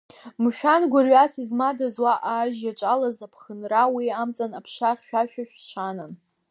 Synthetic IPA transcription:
mʃᶣanɡʷʊrɥasizmadazwaʔaːʒjat͡ʃʷʼalazapʰχənrawiamt͡sʼanapʰʂaχʲʃᶣaʃᶣaʃᶣt͡ʃʷʰanan

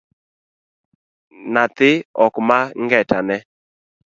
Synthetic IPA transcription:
nat̪ɪɔkmaŋɡɛtanɛ

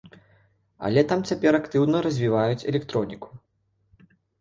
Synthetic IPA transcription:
ɐ̰lʲɛt̪amt͡sʲapʲɛɾakt̪ɨwnɐɾɐzʲvʲivajut͡sʲɛ̰lʲɛkt̪ɾɔnʲiku̥

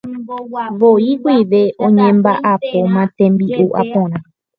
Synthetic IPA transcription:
ʋoikʷiʋe̞ʔõɲẽ̞mbaʔapomãt̪ẽ̞mbiʔuʔa̰põɾ̃ã

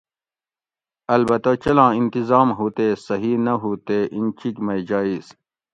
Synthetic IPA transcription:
ɐlbɐt̪ɐt͡ɕɐlãːĩnt̪izaːmɦuːt̪eːsɐɦinɐɦuːt̪eʔint͡ɕikmɐjd͡ʑaːis

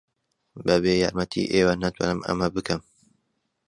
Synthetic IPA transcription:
bɛbeːjɑ̰ːɾmɛt̪ʰḭːʔeːwanɐt̪wɑ̰ːnɨmɐ̰mɐbɨkʰɨm

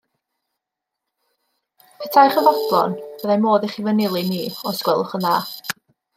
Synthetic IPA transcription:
pʰɛtʰajχəvɔblˠɔ̰nb̥əðamoːðɪχivənɪlˠɨniːɔskwɛlˠʊχənðaː

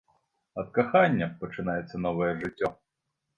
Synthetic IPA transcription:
ɐt̪̚kaxanʲːɐpɐt͡ʂɨnajɛt̪sːɐn̪ɔvɐjɛʐɨtʲːɔ

